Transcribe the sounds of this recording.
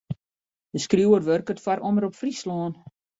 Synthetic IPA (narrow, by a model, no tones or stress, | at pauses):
dəskrjuːərʋørkətfaɾʔoməɾɔpfrislɔːn